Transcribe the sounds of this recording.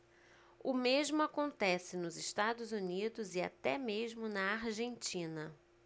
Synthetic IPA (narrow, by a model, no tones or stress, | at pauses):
ʊmeʒmʊakõnt̪ɛsɪnʊzɪʃt̪ad̪ʊzunid̪ʊzɪa̰t̪ɛmeʒmʊnɐaɾʒẽnt͡ʃĩnɐ